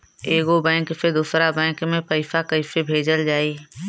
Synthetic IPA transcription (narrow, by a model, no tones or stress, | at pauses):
eːɡobɛ̃ːksed̪uːsɾabɛ̃ːkmẽpəɪfakəɪfebʱeːd͡ʒəld͡ʒaːiː